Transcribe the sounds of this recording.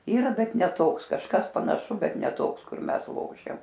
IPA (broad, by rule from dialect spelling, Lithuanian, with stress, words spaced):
ˈiːrɐ ˈbʲɛt nʲɛ ˈtoːks kɐʃˈkɐs pɐnɐˈʃʊ bʲɛt nʲɛ ˈtoːks kʊr ˈmʲɛs ˈlˠoːʃʲɛm